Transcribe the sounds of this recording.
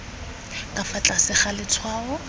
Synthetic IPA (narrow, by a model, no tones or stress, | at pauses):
kʼafat͡ɬʼasɪχalɪt͡sʰwaːɔ